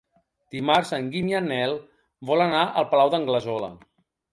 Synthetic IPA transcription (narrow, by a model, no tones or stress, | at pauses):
d̪̥imaɾsəŋɡimjanɛlˠ | bɔlənaʔəlˠpəlawðəŋɡləzɔlə̰